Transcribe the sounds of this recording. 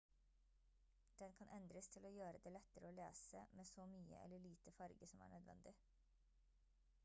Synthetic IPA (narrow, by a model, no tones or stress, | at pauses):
d̪̥ɛnkʰɑnʔɛnd̪ɾəst̪ʰɪloːjøːɾəd̪eːlɛt̪ːəɾəoːleːsəmeːsɔmyːə̰ʔɛ̰lːəɭiːt̪əfɑɾɡəsɔmæ̰ːɳœd̪ʋɛ̰nd̪ɪ